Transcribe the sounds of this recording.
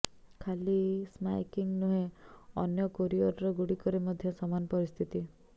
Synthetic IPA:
kʰalisma̰jkiŋnuɦeɔ̰njɔkoɾiɔɾɾɔɡuɽikɔɾemɔd̪ʱjɔsɔmanɔpɔɾist̪ʰit̪i

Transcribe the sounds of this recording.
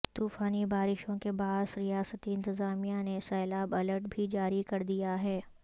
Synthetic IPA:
t̪uːfaːnibaːɾɪʃõkebaːsɾijaːsət̪iɪ̃nt̪ɪzaːmijanesɛːlaːbɐləɾʈ̚bʱid͡ʒaːɾikɐɾd̪ijaɦɛː

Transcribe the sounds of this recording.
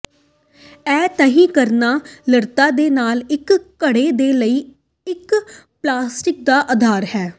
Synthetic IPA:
ɛːt̪əɦĩːkəɾnaːləɾt̪aːd̪eːnaːlɪkkːəɽeːd̪eːləiː | ɪk | plaːsʈɪk̚d̪aːʔəd̪ʱaːɾhɛː

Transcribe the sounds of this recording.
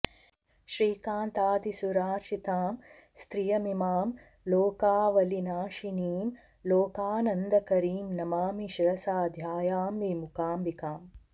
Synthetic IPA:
ʃɾiːkaːnt̪aːd̪isuɾaːɾʃit̪aːm | st̪ɾijɐmimaːm | loːkaːʋɐlinaːʃiniːm | loːkaːnɐnd̪ɐkɐɾiːmnɐmaːmiʃɾɐsaːd̪ʱjaːjaːmʋimukaːmbikaːm

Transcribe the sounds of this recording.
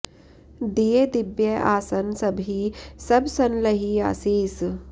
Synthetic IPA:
d̪ied̪ɪbjɐʔaːsɐnsɐbʱisɐbsɐnlɐɦia̰ːsiːs

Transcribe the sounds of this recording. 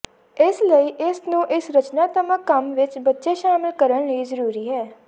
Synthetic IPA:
ɪsləiːʔɪsnũːʔɪsɾət͡ʃnaːt̪əməkəmʋɪt͡ʃbətːʃeːʃaːmɪlkəɾəɳliːzəɾuːɾiːɦɛː

